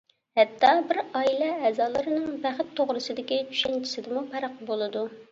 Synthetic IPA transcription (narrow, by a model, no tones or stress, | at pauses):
hɛt̪ʰːɑbɪɾɑilˠɛːzɑːlˠɨɾɨnɨŋbæχɪt̪ʰːoʁɾɨsɨd̪ɪkʲit͡ʃʰy̥ʃɛnt͡ʃʰi̥sɪd̪ɪmupʰɛɾəqbolˠɨd̪u